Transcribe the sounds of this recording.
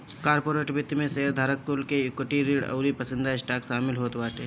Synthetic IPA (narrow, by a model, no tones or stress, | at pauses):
kaːɾpoːɾeːʈbɪt̪ːimẽseɦəɾd̪ʱaːɾəkːʊlkejʊkəʈiɾiːɽɐ̰ʊɾipəsɪ̃nd̪ʱaɪsʈaːkʃaːmɪlɦoːt̪baːʈeː